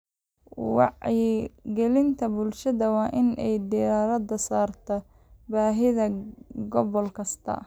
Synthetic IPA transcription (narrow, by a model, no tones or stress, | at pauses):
wɑ̰ħ | ɡɛlɪnt̪ʰɐbʊlʃɐðɐwɑːʔɪnɛjd̪ɪɾaːɾɐd̪ɐsaːrt̪ʰɐ | baːɦɪðɐɡɔβɔlkʰɐst̪ʰɐ̰